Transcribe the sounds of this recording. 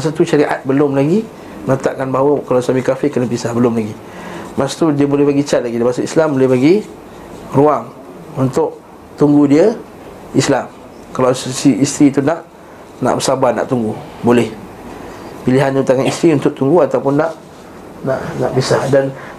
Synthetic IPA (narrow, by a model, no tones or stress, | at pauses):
mas̬at̪uʃaɾiʔa̰t̪̚bəlʊmlaɡi | mənət̪aʔkanbaɦwəkalasamikafɪʔkənabisahbəlʊmlaɡi | maʔsḁt̪udiəbolɛhbaɡit͡ʃaʔ̪̚laɡidapasaislambolɛhbaɡi | ruaŋ | unt̪ʊʔ | t̪uŋɡudiə | islam | kalawssiist̪ɾiːt̪unaʔ | na̰ʔbəsabana̰ʔt̪uŋɡubolɛh | piliɦant̪aŋanist̪ɾiunt̪ʊʔ̚t̪uŋɡuat̪awpʊnːaʔ | naʔnaʔbisahdan